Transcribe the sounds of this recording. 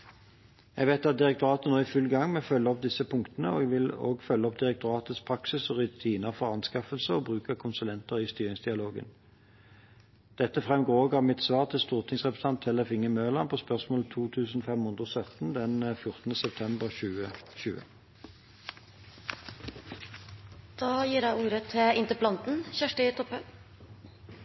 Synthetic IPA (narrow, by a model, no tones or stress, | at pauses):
jɛɡʋeɪt̪ɑt̪̚d̪ɪʁɛk̚t̪ʊʁɑːt̪ənoːɪfʉlɡɑŋːmɛfœlːəɔp̚d̪ɪsəpʰʊŋkt̪ənəɔ̰ɛɡʋɪlo̰ːɡfœlːəɔp̚d̪ɪʁɛk̚t̪ʊʁɑːt̪ət̪spʰʁɑksɪsɔʁʉt̪ʰiːnəʁfɔʁɑnskɑfəlsəɔːbʁʉːkɑkʰʊnsʉlɛnt̪əʁɪːst̪yːʁɪŋsd̪ɪɑloːɡə̰n | d̪̥ɛt̪ːəfʁɛmɡoːoːɡɑmɪt̪sʋɑːʁt̪ʰɪlst̪uːʁt̪ʰɪŋsʁɛpəst̪ɑnt̪ʰːɛləfɪŋəmøːlɑnpʰoːspœʁsmoːlt̪ʰuːt̪ʰʉːsn̩ɔfɛmhʊnd̪ʁosœt̪n̩d̪ɛnfjʊʁt̪nəsɛp̚t̪ʰɛmbəʁʃʉːəʃʉːə̰ | d̪̥ɑːjiːɾæɪuːɾət̪ʰːɪlɪnt̪əpʰlɑnt̪n̩çæʂʈet̪ʰɔpːən